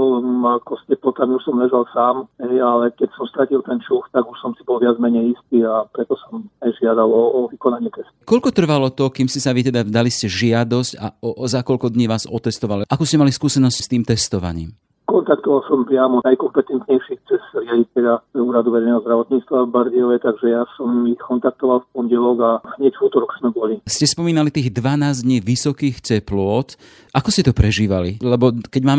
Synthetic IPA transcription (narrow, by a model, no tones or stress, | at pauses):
ɔlakɔscɛplɔt̪amiuʃsɔmlɛʒalsaːmɦɛjalɛkɛcsɔmst̪ɾacilt̪ɛnt͡ʃuft̪aɡuʃsɔmsibɔlʋɪad͡zmɛɲɛjist̪iːapɾɛt̪ɔsɔmajʒɪad̪alɔːʋikɔnaɲɪɛt̪ɛst̪u̥kɔʎkɔt̪r̩ʋalɔt̪ɔkiːmscɛsaʋit̪ɛd̪ad̪aliscɛʒɪad̪ɔsca̰ɔzakɔʎkɔd̪ɲiːʋaːzɔt̪ɛst̪ɔʋalʔakuːscɛmaliskuːsɛnɔscst̪iːmt̪ɛst̪ɔʋa̰ɲḭːm | kɔnt̪akt̪ɔʋalsɔmpɾɪamɔnajkɔmpɛt̪ɛnt̪ɲɛjʃixt͡sɛsɾɪalit̪ɛʎapɾɛuːɾad̪uʋɛɾɛjnɛɦɔzd̪ɾaʋɔt̪ɲiːt͡st̪ʋavbaɾd̪iɔʋɛt̪aɡʒɛjasɔmːikɔnt̪ak̚t̪ɔʋalfpɔɲɟɛlɔɡaɲɛcvuːt̪ɔɾɔksmɛbɔliscɛspɔmiːnalit̪iːɣd̪ʋanaːzd̪ɲiːʋisɔkiːxt͡sɛplʊɔt̪ | ʔakɔscɛt̪ɔpɾɛʒiːʋalḭlɛbɔkɛɟmaːm